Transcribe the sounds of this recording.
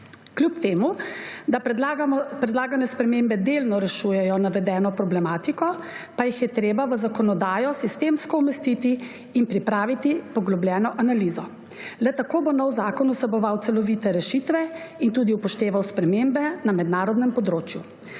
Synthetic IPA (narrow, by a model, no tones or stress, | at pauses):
klʲjupt̪eːmud̪a | pɾɛd̪laːɡanɛspɾɛmembɛd̪eːlnɔɾɛʃujɛjɔnaʋɛd̪ɛːnɔpɾɔblɛmaːt̪ikɔpajixjɛt̪ɾeːbaʋəzakɔnɔd̪aːjɔsist̪eːmskɔumɛst̪it̪iː | npɾipɾaːʋit̪ipɔɡlɔblʲjɛːnɔʔanaliːzɔ | lɛt̪akoːbonɔwzaːkɔnusɛbɔʋawt̪sɛlɔʋiːt̪ɛɾɛʃit̪ʋɛint̪uːd̪iupɔʃt̪eːʋawspɾɛmembɛnamɛd̪naːɾɔd̪nɛmpɔd̪ɾoːt͡ʃju